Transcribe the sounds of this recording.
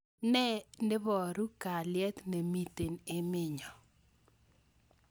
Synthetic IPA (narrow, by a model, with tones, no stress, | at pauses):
nɛ˦ndɪ˦βɔ˨ɾu˦ka˨lɪjɛ˦t̪ne˨mi˨t̪e˨nɪ˦mɪ˦ɲɔ˨